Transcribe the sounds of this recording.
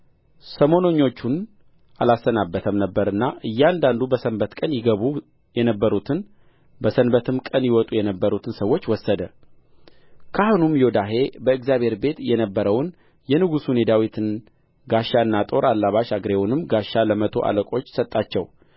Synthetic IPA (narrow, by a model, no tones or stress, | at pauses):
səmo̞noɲːo̞t͡ʃːun | ʔalasənabːət̪ʰəmnəbːəɾɨnːaʔɨjːɛand̪and̪ubəsənbət̪kʼənjɪɡəβu | jɛnəbːəɾut̪ʰɨn | bəsənbət̪ʰɨmkʼənjɪwɔt̪ʼujɛnəbːəɾut̪ʰɨnsəwːot͡ʃːwɔsːəd̪ə | kʰahonumjo̞d̪aɦe̞bəɨɡzjaβhe̞ɾbe̞t̪jɛnəbːəɾəwn | jɛnɨɡusune̞d̪awit̪ʰɨn | ɡaʃːaɨnːat̪ʼo̞ɾʔalːaβaʃaɡɾewunɨmɡaʃːaləmət̪ʰo̞̰ʔa̰ləkʼo̞t͡ʃːsət̪ʼːat͡ʃːɛw